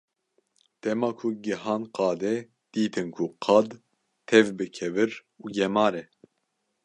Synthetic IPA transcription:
d̪̥ɛmɑːkʰuɡɨɦɑːnqɑːd̪ɛ | d̪̥iːt̪ʰɨnkʰuqʰɑd̪ | t̪ʰɛvbɨkʰɛvɨɾ | uːɡɛmɑːɾɛ

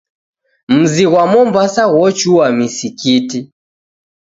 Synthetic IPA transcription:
m̩ziɣwamɔmbasaɣɔt͡ʃuwamisikiti

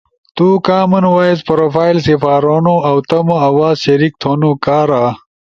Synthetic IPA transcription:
t̪ukaːmɐnwaːjespɐɾoːfaːjlsifaːɾonoɐwt̪ɐmoɐwaːzɕɐɾik̚t̪ʰoːnukaːɾa

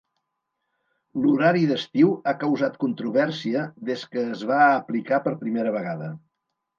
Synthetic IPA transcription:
luɾaɾiðəst̪iwakəwzat̪kunt̪ɾuβ̞ɛrsiəðeskəːzβaəplikapəɾpɾimeɾəβ̞əɣaðə

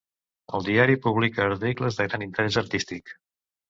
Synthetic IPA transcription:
əlˠd̪iaɾipuβlikəːɾt̪ikləzðəɣɾanint̪əɾɛzəɾt̪ist̪ik

